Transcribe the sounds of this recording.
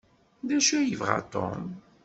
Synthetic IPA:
d̪æʃæjəvʁɑ̰t̪ˤo̰m

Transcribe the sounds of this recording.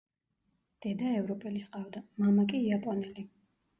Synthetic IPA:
d̪̥ɛd̪aɛvɾɔpʼɛliqʼavd̪amamakʼiːapʼɔnɛli

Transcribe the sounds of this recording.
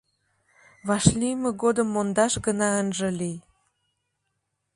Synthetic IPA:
βɑʃlijməɣod̪əmːond̪ɑʃɡənɑənʒə̆lij

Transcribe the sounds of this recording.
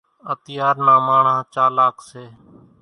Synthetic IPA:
ət̪ɪjaːɾnaːmaːɳãːt͡ʃaːlaːkseː

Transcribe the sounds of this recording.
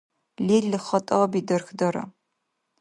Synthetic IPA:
liːɮɨχɐtʼɐʁɐbiːdɐrxdɐɾɐ̰

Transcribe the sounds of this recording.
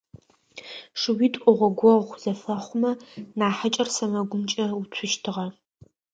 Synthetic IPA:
ʂɨwitʼʔʷʼʊʁʷɔɡʷɔʁʷz̥ɐfɐχʷʊmɐnaːħat͡ʃʼɐrsɐmɐɡʷʊmt͡ʃʼɐʊt͡ɕʷʰʊʃtʰɨʁɐ

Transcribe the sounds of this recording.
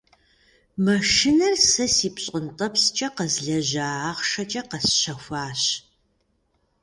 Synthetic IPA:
mɐʃinɐrsɐsiːpɕʼəntʼɐpst͡ʃʼɐqɐzɮɐʑaːʁʃɐt͡ʃʼɐqɐsɕɐxʷaːɕ

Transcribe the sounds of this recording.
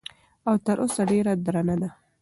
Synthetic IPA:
awt̪əɾʔosaɖeɾad̪ɾanad̪a

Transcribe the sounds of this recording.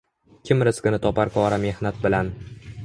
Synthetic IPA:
kʲʰɪmɾɪskʲɪnɪt̪ʰɒpaɾkʰɒɾame̞hnat̪̚bɪlan

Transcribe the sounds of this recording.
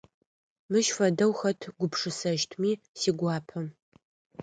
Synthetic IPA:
mɨʃfɐdɐwxɐtʰɡʷʊpʰʂɨsɐʃtʰmiː | siːɡʷɑːpʰɐm

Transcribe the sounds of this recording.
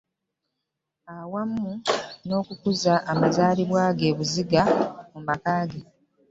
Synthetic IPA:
awamːuno̞ːkukuzaʔːmazaːliβwaːɡe̞ːβuziɡamumakaːɡe

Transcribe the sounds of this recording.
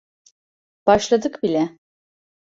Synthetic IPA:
b̥aʃlˠad̪ɯkbilʲɛ

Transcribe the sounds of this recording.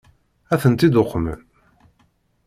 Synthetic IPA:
æθənt̪id̪oqːmə̰n

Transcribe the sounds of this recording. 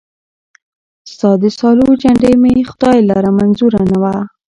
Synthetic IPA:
st̪ɑd̪əsɑlud͡ʒaɳɖejmexʊd̪ɑjlaɾamanzuɾanawa

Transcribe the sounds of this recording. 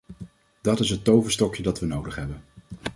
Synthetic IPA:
d̥ɑtɪsɦətːowvəstɔkjədɑtʋənowdəχɦɛbən

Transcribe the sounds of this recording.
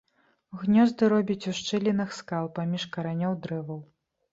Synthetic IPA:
ɣnʲɔzd̪ɨɾɔbʲit͡sʲuʂt͡ʂɨlʲinɨxskalˠpamʲiʂkɐɾanʲɔwd̪ɾɛvɐw

